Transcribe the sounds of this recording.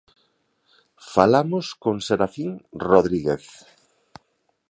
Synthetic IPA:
falamʊskoŋseɾaθiŋroðɾiɣeθ

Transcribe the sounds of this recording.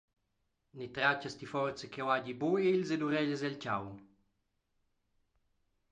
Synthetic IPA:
nit̪ɾacast̪ifɔrt͡sekɛwaɟiboelzed̪uɾɛʎəzɛlcawn

